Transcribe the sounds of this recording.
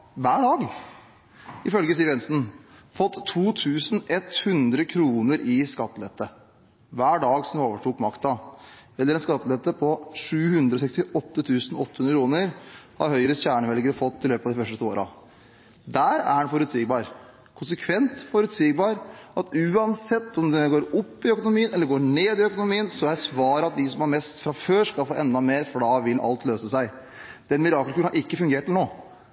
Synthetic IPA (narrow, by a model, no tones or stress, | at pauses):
ʋæːɖɑːɡ | ɪfœlɡəsiːʋɛnsn̩fɔt̪ʰːuːt̪ʰʉːsn̩ɛt̪hʉnd̪ɾəkʰɾuːnəɾɪskɑt̪ːlɛt̪ːə | ʋæːɖɑːɡsɔmd̪oːʋəʈʰuːkmɑkt̪ɑɛlːəɾɛnskɑt̪ːəlɛt̪ːəpʰɔʂʉːhʉnd̪ɾɔs̬ɛkst̪ɪʔɔt̪ːət̪ʰʉːsn̩ɔt̪ːəhʉnɾəkʰɾuːnəɾhɑ̰ɾhœʏɾəɕæːɳəʋɛlɡəɾəfɔt̪ʰːɪløːpɑd̪ɪfœʂʈət̪ʰuːoːɾɑ̰ | d̪æɾæ̰ɾhɑnfɔɾʉt̪siːɡbɑːɾ | kʰʊnsəkʰʋɛnt̪fɔɾʉt̪siːɡbɑːɾʔɑt̪ʉːɑnsɛt̪ːɔmd̪ɛɡoːɾɔpːɪœkʊnʊmiːənɛlːəɡoːɳeːd̪ɪœkʊnʊmiːənsɔjæɪsʋɑːɾəɑt̪̚d̪ɪsɔmɑɾmɛst̪fɾɑføːʂkɑlfoːʔɛnd̪ɑmeːɾfɽɑːʋɪlʔɑ̰lt̪løːsəsæɪ | d̪̥ɛnmɪɾɑːklkʰʉːɳnɑɾɪkːəfʉŋɡeːʈnoː